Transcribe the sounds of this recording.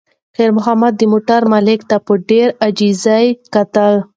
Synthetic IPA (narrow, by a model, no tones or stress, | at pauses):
xeɾmʊɦamad̪ːəmoʈaɾmalɪkt̪apəɖeɾad͡ʒizajkat̪əl